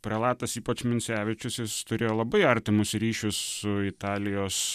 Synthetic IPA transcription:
pʲɾʲɛlˠɑːt̪ɐsiːpɐt͡ʃmʲɪnʲsʲæːʋʲɪt͡ʃʲʊsjɪst̪ʊɾʲeːjoːlˠɐbɐɪɐɾʲt̪ʲɪmʊsɾʲiːʃʲʊssʊɪt̪ɑːlʲɪjoːs

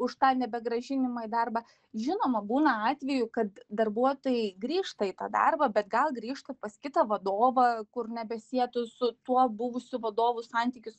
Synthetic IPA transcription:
ʊʃt̪ɑːnʲɛbʲɛɡɾɐʒʲɪnʲɪmɐid̪ɐrbɑ | ʒʲɪnoːmɐbuːnɐɑːt̪ʲʋʲɛjʊkɐt̪d̪ɐrbuɔt̪oːjɛɡɾʲiːʃt̪ɐit̪ɑ̰ːd̪ɐ̰rbɐbʲɛt̪ɡɐlˠɡɾʲiːʃt̪ɐpɐskʲɪt̪ɐʋɐd̪oːʋɐkʊrnʲɛbʲɛsʲiɛt̪ʊsʊt̪uɔbʊʋʊsʲʊʋɐd̪oːʋʊsɑnʲt̪ʲiːkʲʊs

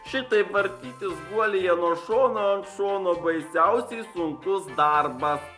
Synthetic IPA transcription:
ʃʲɪt̪ɐɪpʋɐɾʲt̪ʲiːt̪ʲɪsɡuɔlʲejɛnuːɔʃoːnoːɐnt̪ʃoːnoːbɐɪsʲæˑʊsʲɛɪsʊŋkʊsd̪ɑɾbɐs

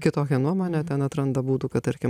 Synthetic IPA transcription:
kʲɪt̪oːkʲɛnuɔmoːnʲɛt̪ʲɛnɐt̪ɾɐnd̪ɐbuːt̪uːkɐt̪ɐɾʲkʲɪm

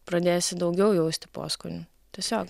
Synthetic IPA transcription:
pɾɐd̪ʲeːjsʲɪd̪ɐʊɡʲɛʊjɛʊsʲt̪ʲɪpo̰skʊnʲʊ | t̪ʲɛsʲoːk

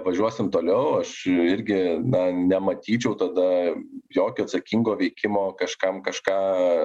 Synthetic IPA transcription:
ʋɐʒʲuɔsʲɪmt̪oːlʲɛʊɐʃɪɾʲɡʲɪnɐnʲɛmɐt̪ʲiːt͡ʃʲɛʊt̪ɐd̪ɐjoːkʲoːɐt̪sɐkʲiŋɡoːʋʲɛɪkʲɪmoːkɐʃkɐmkɐʃkɑː

